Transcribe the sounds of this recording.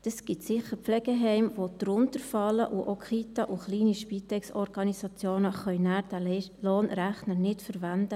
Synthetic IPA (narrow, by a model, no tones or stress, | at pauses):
d̥əsɡ̥ɪtsɪχəɾpflɛɡ̥əɦɛɪmʋod̥ɾʊntəɾfɑlːə̰ʔuʔokʰχit̪ɑʔuχliːniʃpit̪ɛksɔɾɡ̥ɑnisɑt͡sjoːnəχœʏnæːɾdæloːnɾæχnənɪtfəɾʋænd̥̪ə